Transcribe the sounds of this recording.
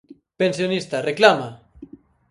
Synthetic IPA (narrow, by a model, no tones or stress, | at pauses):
pensjonist̪areklama